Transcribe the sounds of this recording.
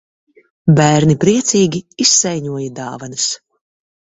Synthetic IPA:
bæːɾnipɾiɛt̪siːɡʲiisːɛjɲuɔjad̪aːvanɨs

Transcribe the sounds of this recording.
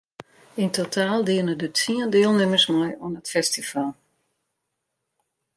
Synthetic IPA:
intotʰaːlˠdiənədətiəndɪəlˠnɪmərsmɔjuənətfɛstifalˠ

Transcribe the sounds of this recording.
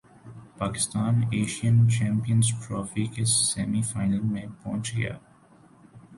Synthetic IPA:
paːkɪ̥st̪aːneːʃijənt͡ʃɛ̃ːmpijə̃nzʈɾɔːfikesɛːmifaːɪnəlmẽpɔ̃ːnt͡ʃɡɐja̰ː

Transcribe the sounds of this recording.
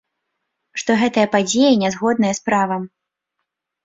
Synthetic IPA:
ʂt̪ɔɣɛt̪ɐjɐpad͡zʲejɐnʲɛzɣɔd̪̚nɐjɐspɾavɐm

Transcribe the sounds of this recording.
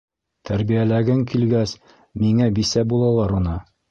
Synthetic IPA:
t̪ʰæɾbijælæɡɘŋkilɡæs | miŋæbisæbulˠɑlˠɑɾunɤ

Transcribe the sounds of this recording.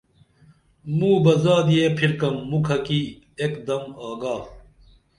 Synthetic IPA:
mũːbɐzaːd̪ijeːpʰiɾkɐmːukʰɐki | ekd̪ɐmaːɡaː

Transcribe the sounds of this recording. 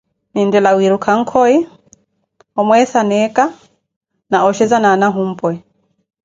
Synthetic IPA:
nindɛlawiɾukʰaŋ̩kʰɔi | ɔmwɛθanɛka | naɔʃɛzananaɦum̩pwɛ

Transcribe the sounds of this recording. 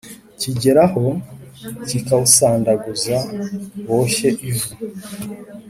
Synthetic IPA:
ciɟe̞ɾaho̞ | cikausaːndaɡuzawo̞ːɕe̞ʔivu

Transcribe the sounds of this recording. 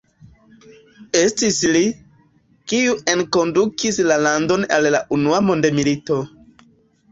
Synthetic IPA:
e̞stisli | kiue̞nko̞ndukislalando̞na̰llaʔunuamo̞ndemilito̞

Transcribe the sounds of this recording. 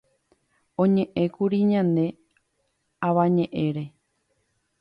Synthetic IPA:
õ̞ɲẽ̞ʔẽ̞kuɾiɲãnẽ̞ | aʋaɲẽ̞ʔe̞ɾe̞

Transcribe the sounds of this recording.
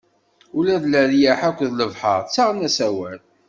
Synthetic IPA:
ulæðləðjaħækʷːðləvħə̰ʁˤt͡sːaʁənæsæwæl

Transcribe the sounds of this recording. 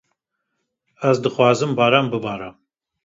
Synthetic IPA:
æzd̪ɨχwɑːzɨmbaːɾambɨbaɾam

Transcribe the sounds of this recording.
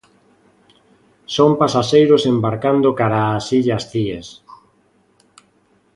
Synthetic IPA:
sompasaʃejɾosembaɾkand̪okaɾaːsiʎasθies

